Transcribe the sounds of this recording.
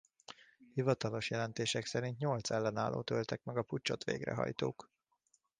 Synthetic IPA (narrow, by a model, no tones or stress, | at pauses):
hivɒt̪ɒlo̞ʃjɛlɛnt̪eːʃɛksɛɾint̪ɲo̞lt̪sɛlːɛnaːlʔo̰ːt̪ølt̪ɛkmɛɡɒput͡ʃːo̞t̪ʋḛːɡrɛ̰ɦɒ̰jt̪oːk